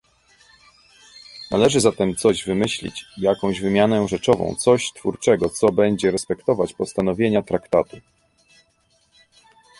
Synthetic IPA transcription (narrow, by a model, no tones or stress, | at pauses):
nalɛʐɘzat̪ɛmt̪sɔʑvɘmɘɕlʲḭt͡ɕjakɔ̃w̃ʑvɘmʲjanɛʐɛt͡ʂɔvɔ̰̃w̃t̪sɔɕt̪fuɾt͡ʂɛɡɔt̪sɔbɛɲd͡ʑɛɾɛspɛkt̪ɔvat͡ɕpɔst̪anɔvʲjeɲat̪ɾakt̪at̪u